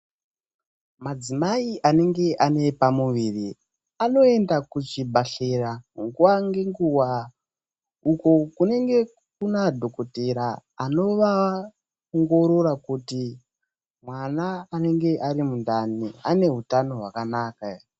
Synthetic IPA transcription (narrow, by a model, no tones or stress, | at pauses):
mad͡zimaiʔane̞ŋɡe̞ʔane̞pamuʋiːri | ano̞e̞ndakut͡ʃibʱaɬe̞raŋɡuwaŋɡe̞ŋɡuwa | uko̞kune̞ŋɡe̞ | kunadʱo̞ko̞teɾaːno̞ʋa | oŋɡo̞ɾo̞ɾakuti | mwanaːne̞ŋɡe̞ʔaɾimundaniane̞ɦutano̞ɦwakanaːka